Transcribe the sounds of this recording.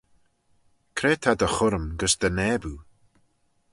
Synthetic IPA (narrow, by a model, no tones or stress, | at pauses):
kʰɾeːt̪ʰad̪əxʊɾəmɡəsd̪̥ənɛːbu